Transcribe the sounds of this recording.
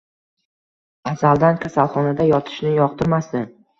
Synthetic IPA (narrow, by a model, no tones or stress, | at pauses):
asald̪ankʲʰasalˠχɒnad̪ajɒt̪ʰɪ̥ʃnɪjɒq̚t̪ʰɪɾmasd̪ɪn